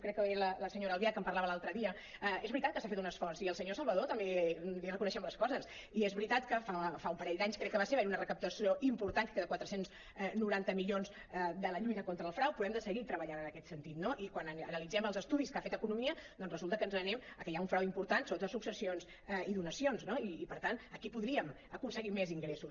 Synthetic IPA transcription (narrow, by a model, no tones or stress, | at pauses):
kɾɛkːəβelələsəɲoɾəlβjakəmpəɾlaβəlalˠt̪ɾəðiə | ɛezβɾit̪at̪̚kəsafet̪unəsfɔrziəlˠsəɲosəlˠβəðot̪əmbelirəkunəʃɛmləskɔzəs | iezβɾit̪at̪kəfafaumpəɾɛʎd̪aɲskɾɛkːəβaseɾβeunərəkəp̚t̪əsioʔimpuɾt̪ankkeðəkwat̪ɾəsenz | nuɾant̪əmiʎonz | d̪ələʎut̪əkont̪ɾəːlˠfɾawpuðɛmd̪əsəɣit̪ɾəβəʎanənəkɛt̪sənt̪it̪noʔikwanəənəlid͡zɛməlˠzəst̪uðiskafet̪əkunumiəd̪ɔnzrəzulˠt̪əkənzənɛməkəjauɱfɾawimpuɾt̪ansot̪əsuksəsionz | iðunəsionznoiːpəɾt̪anəkipuðɾiəm | əkunsəɣimeziŋɡɾesu